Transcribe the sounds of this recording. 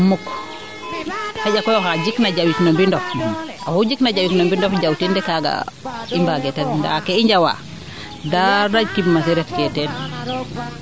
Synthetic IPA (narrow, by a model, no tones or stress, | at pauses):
muk | haɟakɔjɔɦaɟiknaɟawiknombindɔfnnahuɟiknaɟawiknombindɔfɟawtindɛkaɡa̰imbaɡɛtadnda̰kɛiɲd͡ʒawa̰ | dadaɟkibmasiɾɛtkɛtɛn